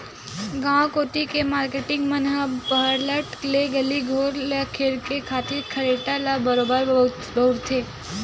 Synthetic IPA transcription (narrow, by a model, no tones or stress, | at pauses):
ɡãkoːʈikemaːɾkeʈɪ̃ŋɡmənɦəpəɦəɾləʈleɡɐliɡʱoːɾlkʰeɾkekʰaːt̪ɪɾkʰɐɾeːʈalabɐɾoːbəɾ | bəʊɾt̪ʰːeː